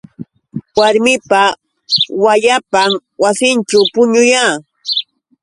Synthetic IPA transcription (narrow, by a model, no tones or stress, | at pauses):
waɾmɪpa | wajapamwasɪnt͡ʃawpʊɲʊjaː